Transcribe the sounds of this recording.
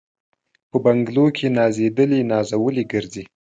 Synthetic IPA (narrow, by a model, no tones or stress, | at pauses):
pəbaŋɡlokʰenɑzed̪əlinɑzawəliɡəɾzi